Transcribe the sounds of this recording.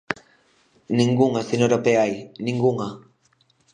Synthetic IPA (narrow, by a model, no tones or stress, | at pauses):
niŋɡuŋasenoɾopeajniŋɡuŋa